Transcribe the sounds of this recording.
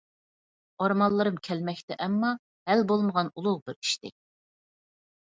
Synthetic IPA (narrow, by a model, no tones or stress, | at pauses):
ɑɾmɑlˠːɨɾɨmkʲʰɛlmɛkʲt̪ɪʔɛmːɑ | hælbolˠməʁɑnulˠʊʁbɪɾi̥ʃt̪ɪ̰